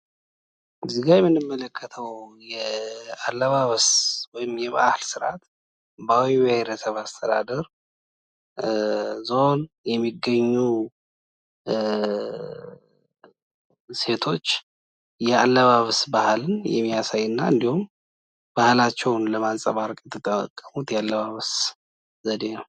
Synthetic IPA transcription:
zɨɡajɛmːɨnːɨmːələkʰːət̪ʰəwwjɛalːəβaβswɔjɪmjɛβ̰ʔahlsɨɾa̰t̪ | bawibəheɾəsəβast̪ʰəd̪a̰d̪əɾ | zo̞n | jɛmːiɡːəɲːu | se̞t̪ʰo̞t͡ʃː | jɛalːəβaβsbahlɨnjɛ̰mːijasajːɨnːaɨ̰nd̪ihum | b̥ahlat͡ʃːɛwnləmansʼəβaɾkʼjɛt̪ʰːɨt̪ʼːəmə̰kʼːəmut̪jɛalːəβaβs | zəd̪e̞nəw

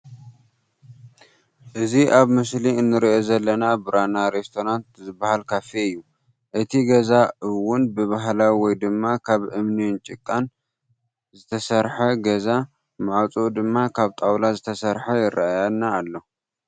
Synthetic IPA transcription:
ʔɨziʔaβmɨsliɨnːɨɾiʔo̞zɐlːɐnabɨɾanaɾest̪ʰo̞ɾant̪zɨbːahalkʰafeɨjːu | ʔɨt̪ʰiɡɐzaɨwːʊnbɨβaɦlawiwɔjd̪ɨmːakʰaβʔɨmnint͡ʃʼɪkʼːan | zɨt̪ʰɐsɐɾħɐɡɐza | maʕawt͡sʼod̪ɨmːakʰaβt̪ʼawlazɨt̪ʰɐsɐɾħɐjɪrʔaajanːaːlːo

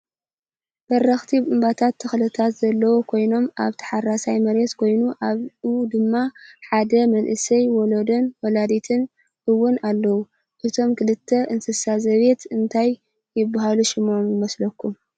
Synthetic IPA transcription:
b̥ɐɾːɐxt̪ʰibʔɨmbat̪ʰat̪ʰːɐxlɨt̪ʰat̪zɐlːɐwokʰo̞jno̞mʔa̰βt̪ʰɐ̥ħarasajmɐɾet̪kʰo̞jnuʔaβʔud̪ɨmːaħad̪ɐmɐnʔɨsɐjwolod̪ɐnwɔlad̪it̪ʰɨn | ʔɨwːʊnalːɐwu | ʔɨt̪ʰo̞mkʰɨlɨt̪ʰːɐʔɨnsɨsazɐβe̞t̪ɨnt̪ʰajː | ɪbːaɦaluʃɪmʔomjɪmɐslɐkːu

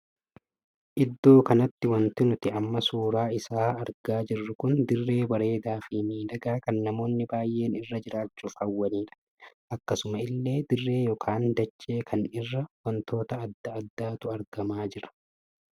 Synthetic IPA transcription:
ʔɪd̪ːo̞ːkɐnɐt̪ːɪwɐnt̪ɪnʊt̪ɪɐmːɐsuːɾaːɪsaːɐɾɡaːd͡ʒɪrːʊkʊnd̪ɪrːe̞ːbɐɾe̞ːd̪aːfɪmiːd̪ɐɡaːkɐnːɐmo̞ːnːɪbaːjːʔe̞ːnɪrːɐd͡ʒɪɾaːt͡ʃːufɐwːɐniːᶑɐ̥ | ʔɐkːɐsʊmɐɪlːe̞ːd̪ɪrːe̞ːjɔkʰaːnd̪ɐt͡ʃːe̞ːkʰɐnɪrːɐwɐnt̪o̞ːt̪ɐːd̪ːɐɐd̪ːaːt̪ʊɐɾɡɐmaːd͡ʒɪɾɐ̥

